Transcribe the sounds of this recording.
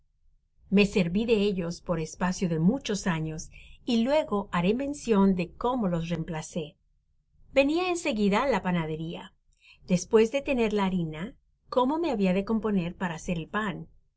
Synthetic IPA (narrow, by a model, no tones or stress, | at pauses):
me̞se̞ɾβiðe̞eʝo̞spo̞ɾe̞spasjoðe̞mut͡ʃo̞saɲo̞silwe̞ɣo̞ʔaɾemẽ̞nsjo̞nd̪e̞ko̞mo̞lo̞sre̞mplase̞ | be̞niaense̞ɣiðalapanaðe̞ɾia̰ | ð̥e̞spwe̞zðe̞t̪e̞ne̞ɾlaːɾina | ko̞mo̞me̞aβiaðe̞ko̞mpo̞ne̞ɾpaɾaːse̞ɾelpan